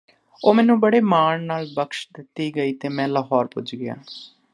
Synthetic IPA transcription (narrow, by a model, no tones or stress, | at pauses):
oːmɛ̃ːnũːbəɽeːmaːɳnaːlbəkʃd̪ɪt̪ːiːɡəiːt̪eːmɛ̃ːləɦɔːɾpʊ̰d͡ʒɡɪja̰ː